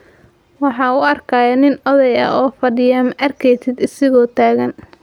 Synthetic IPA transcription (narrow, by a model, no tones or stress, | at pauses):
wɑħɑːʊɐrkʰaːjɐnɪnɔðɛjɐ̰ʔɔːfɐɖɪjɐmʔɐrkʰɛjt̪ʰɪd̪ɪsɪɣɔːt̪ʰaːɣɐn